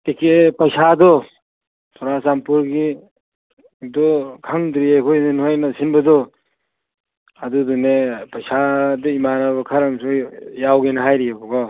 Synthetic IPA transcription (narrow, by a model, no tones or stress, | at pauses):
ikʰepɐjsadɔ | sʰɔɾasampuɾɡi | dɔkʰaŋdɾiekʰojninhojnɐsinbɐdɔ | adudɔnepɐjsadɔimanaβɐkʰaɾamsɔjawɡenɐɦajɾijabɔɡɔ